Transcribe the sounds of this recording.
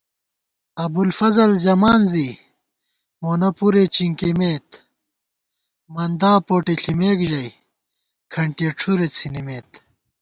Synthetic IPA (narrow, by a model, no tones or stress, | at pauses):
ɐbulfɐzɐlzɐmaːnzi | moːnɐpuɾet͡ɕiŋkimeːt̪ | mɐnd̪aːpoːʈeɬimeːkʑɐj | kʰɐɳʈeːʈ͡ʂʰuɾet͡sʰinimeːt̪